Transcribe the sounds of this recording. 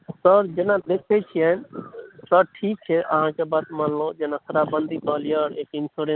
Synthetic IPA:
səɾd͡ʒenad̪ekʰɛt͡ʃʰijɛ | səɾʈʰik̚t͡ʃʰɛʔə̰ɦãkebat̪mənlod͡ʒenasəɾabənd̪ʱipəɦlijəɾekinsuɾe

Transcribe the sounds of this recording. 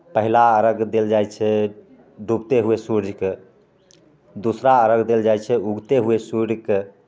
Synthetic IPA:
pəɦilaəɾəɡd̪eld͡ʒajt͡ʃʰɛ | ɖʱubt̪eɦuesuɾd͡ʒʱke | d̪usɾaəɾəɡd̪eld͡ʒajt͡ʃʰɛuɡt̪eɦuesuɾɾke

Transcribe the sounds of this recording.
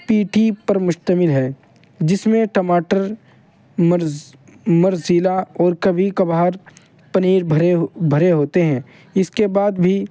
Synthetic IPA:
piːʈʰipɐɾmʊʃt̪əmɪlɦɛː | d͡ʒɪsmẽʈɐmaːʈəɾ | mɐɾziːlaɔːɾkɐbʱikɐbaːɦəɾ | pɐniːɾbʱɐɾeɦbʱɐɾeɦoːt̪eɦɛ̃ː | ɪskebaːd̪bʱi

